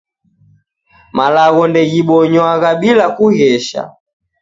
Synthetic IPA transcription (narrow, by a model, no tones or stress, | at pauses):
malaɣɔndɛɣiɓɔɲwaɣaɓilakuɣɛʃa̰